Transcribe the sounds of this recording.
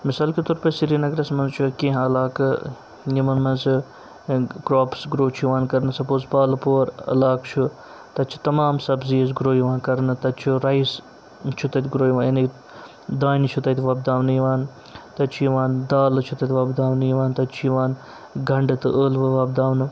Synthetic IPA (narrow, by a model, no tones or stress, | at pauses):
misaːlkit̪uɾpɐsiɾinɐɡɾɐsmɐnzt͡ʃʰukẽɦɐlaːkɨ | jimɐnmɐnzɨ | ɡɾoːpʰsɡɾoːt͡ʃʰuʋaːnkɐɾnɨsɐpoːspaːlɨpoːɾɐ̰laːkt͡ʃʰu | t̪ɐt͡ʃʰu̥t̪ɐmaːmsɐbziɐz̬ɡɾoːjiʋaːnkɐɾnɨt̪ɐt̪t͡ʃʰuɾɐis | t͡ʃʰut̪ɐt̪ʲɡɾoːjʋaːjɐni | d̪aːnt͡ʃʰut̪ɐt̪ʰʲʋɐb̚d̪aːwnɨjiʋaːn | t̪ɐt͡ʃʰiʋaːnd̪aːlɨt͡ʃʰut̪ɐt̪ʰʲʋɐbd̪aːʋnɨjiʋaːnt̪ɐt̪t͡ʃʰjiʋaːn | ɡʱɐɳɖɨt̪ɨʔəːlʋɨʋɐb̚d̪aːʋnɨ